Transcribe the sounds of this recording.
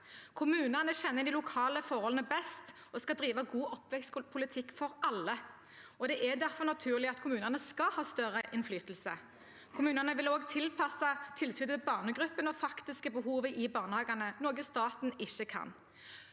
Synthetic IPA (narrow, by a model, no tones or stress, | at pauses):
kʰʊmʉːnənəɕɛnːəɪd̪ɪlʊkʰɑːləfɔʁhɔlənəbɛst̪ | ɔskɑd̪ɾiːʋɑɡuːʔɔpːʋɛkst̪pʰʊlɪt̪ʰɪkːfɔɾɑlːə | ɔd̪ɛʔɛd̪æʁfɔʁnɑt̪ʰʉːʁlɪɑt̪kʰʊmʉːnənəskɑhɑːst̪œʁəʔɪnflyːt̪l̩sə̰ | kʰʊmʉːnənəʋɪloːɡt̪ʰɪlpʰɑsːɑt̪ʰɪlsyːd̪əbɑːʁnəɡʁʉpːənɔfɑkt̪ɪskəbəɦuːʋəʔɪbɑːʁnəhɑːɡɑnənoːɡəst̪ɑːt̪n̩ɪçːəkʰɑ̰n